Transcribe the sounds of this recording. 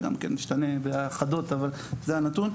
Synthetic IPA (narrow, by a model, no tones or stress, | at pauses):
ɡa̰mkḛnːiʃt̪ane̞beaχad̪o̞t̪aval | zeanat̪un